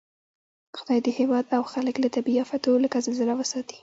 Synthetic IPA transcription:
xʊd̪ɑjd̪əhewɑd̪awxaləklat̪abiafat̪olakazəlzəlawəsɑt̪i̥

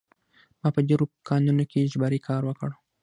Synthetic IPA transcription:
mɑpəd̪eɾokɑnunokʰeʒbaɾikʰɑɾwəkəɽ

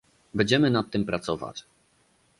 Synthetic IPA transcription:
bɛnɲd͡ʑɛmɘnat̪ːɘmpɾat̪sɔva̰t͡ɕ

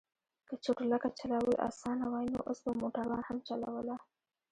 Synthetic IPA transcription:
kət͡ʃoʈʊlakat͡ʃalawəlʔa̰sɑnawɑjno̰ʔəsbəmoʈaɾɑnhamt͡ʃala̰wəla

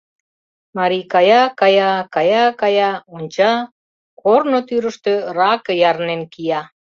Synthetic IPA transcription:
mɑɾikɑjɑkɑjɑkɑjɑkɑjɑonʲt͡ɕɑ | kʰornot̪yɾəʃt̪ørɑkəjɑɾnenkijɑ

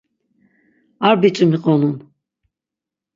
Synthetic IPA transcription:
aɾbit͡ʃʼɨmiqʼɔnun

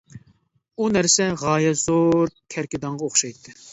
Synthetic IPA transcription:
unæɾsɛʁɑːjɛzoɾkʲʰɛɾkʲɪd̪ɑŋʁɑoχʃɑjt̪ʰːɨ

